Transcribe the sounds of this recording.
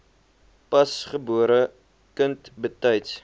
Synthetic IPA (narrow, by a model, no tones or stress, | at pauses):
pɐsχəbuəɾə | kəntbətɐjts